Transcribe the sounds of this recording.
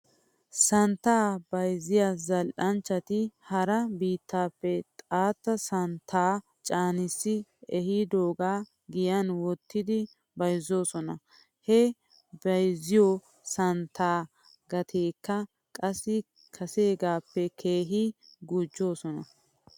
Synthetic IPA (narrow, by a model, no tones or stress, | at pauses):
sɐnt̪ːaːbɐjzɪjazɐlʔɐnt͡ʃːɐt̪ɪhɐɾɐbiːt̪ːaːpːɛt̪ʼaːt̪ːɐsɐnt̪ʰːaː | t͡ʃʼaːnɪsːɪɛhid̪o̞ːɡaː | ɡɪjɐnwɔt̪ʰːɪd̪ɪ | bɐjzo̞ːsɔnɐ | hɛ | bɐjzɪjo | sɐnt̪ːaː | ɡɐt̪ʰeːkːɐ | kʼɐsːɪ | kʰɐseːɡaːpːɛkʰe̞ːɦɪɡud͡ʒːo̞ːsɔnɐ